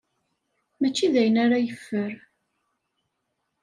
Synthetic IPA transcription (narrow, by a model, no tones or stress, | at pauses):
mæt͡ʃːiðæjənaɾajəfːəɾ